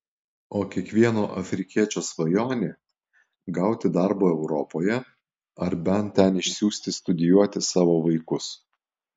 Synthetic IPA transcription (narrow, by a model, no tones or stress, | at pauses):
oːkʲiɛkʋʲiɛnoːʔɐfʲɾʲɪkʲiɛt͡ʃʲoːsʋɐjoːnʲeː | ɡɐʊt̪ʲɪd̪ɑɾboːɛʊɾɔpoːjɛ | ɐɾbʲɛnt̪ʲɛnɪʃʲsʲuːsʲt̪ʲɪst̪ʊd̪ʲɪjuɔt̪ʲɪsɑːʋoːʋɐɪkʊs